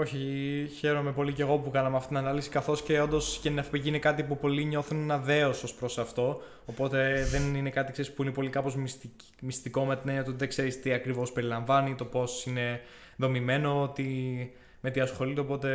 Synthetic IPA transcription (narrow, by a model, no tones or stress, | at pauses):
o̞çiçe̞ɾo̞me̞po̞lice̞ɣo̞pukɐnɐmeɐft̪it̪nɐnɐlisi̥kɐθo̞sce̞o̞nd̪o̞scet̪inɐfpiʝiinekɐt̪ipupo̞liɲo̞θunenɐðe̞osospɾosɐft̪o̞ | opo̞t̪e̞ðe̞nine̞kɐt̪ikseɾispuinepo̞likɐpo̞zmi | mist̪iko̞met̪inenjɐt̪ot̪iðekse̞ɾist̪iɐkɾivo̞spe̞ɾilɐɱvɐnit̪o̞po̞sine̞ | ðo̞mime̞no̞t̪i | me̞t̪iɐsxo̞lit̪eopo̞t̪e̞